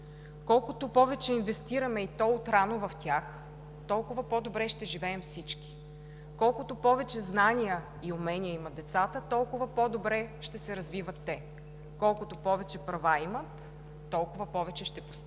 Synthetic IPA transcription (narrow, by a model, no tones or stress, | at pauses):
kɔlˠkʊt̪ʊpɔvɛt͡ʃɛinvɛst̪iɾɐmɛit̪ɔʊt̪ɾanovɐft̪ʲax | t̪ɔlˠkʊvɐpɔd̪obɾɛʃt̪ɛʒivɛːmfsit͡ʃki̥ | kɔlˠkʊt̪ʊpɔvɛt͡ʃɛznanʲijə | iʊmɛniəimət̪̚d̪ɛt̪sat̪ət̪ɔlˠkʊvəpɔd̪obɾɛʃt̪ɛsɛɾɐzvivət̪ːɛ | kɔlˠkʊt̪opɔvɛt͡ʃɛpɾɐvaimət̪ː | ɔlˠkʊvəpɔvɛt͡ʃɛʃt̪ɛpʊ̥st̪